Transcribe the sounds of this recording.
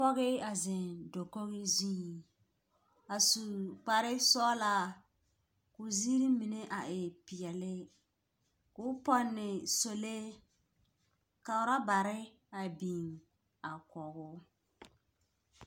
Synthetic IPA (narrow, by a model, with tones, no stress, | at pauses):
pɔ˦ɣɪ˦a˨zɪ˨ndo˨ko˦ɣɪ˦ziː˦˨ | a˨su˨k͡pa˨ɾɪ˦sɔ˦la˦ | kʊ˨zi˦ɾi˦mi˨ne˦ʔa˨ʔɪ˨pɪ˨ɛ˨lɪ˦ | kʊ˦pɔ˦nːɪ˨so˨le˦ | ka˨ʊ˨˦ɾa˦ba˨ɾɪ˦ | a˨bi˨ŋ | a˨kɔ˨ɣʊ˦